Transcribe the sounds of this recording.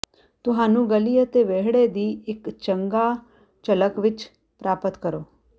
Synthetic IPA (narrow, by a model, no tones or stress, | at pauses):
t̪ʊɦãnũɡəlijət̪eʋeɦɽed̪iekt͡ʃəŋɡa | t͡ʃələkʋɪt͡ʃ | pɾaːpət̪kəɾo